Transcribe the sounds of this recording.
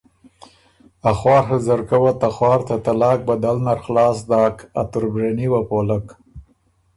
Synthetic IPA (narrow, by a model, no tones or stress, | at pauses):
axwɑːɾɦazaɾkawat̪axwɑːɾt̪at̪alɑːk̚bad̪alnaɾxlɑːsd̪ɑːka̰t̪ʊɾbɾaniwapolak